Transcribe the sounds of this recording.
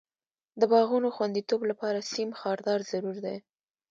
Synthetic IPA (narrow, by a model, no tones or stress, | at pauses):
d̪əbɑɣunoxwand̪it̪oblapɑɾasimxɑɾd̪ɑɾzaɾuɾd̪e